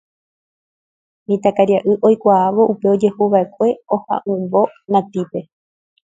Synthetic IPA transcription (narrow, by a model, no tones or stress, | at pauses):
mĩt̪akaɾiaʔɨʔojkʷaaʋo̞ʔupe̞o̞d͡ʒe̞huʋae̞kʷe̞ohã̰ʔɨ̃mbo̞nãt̪ipe̞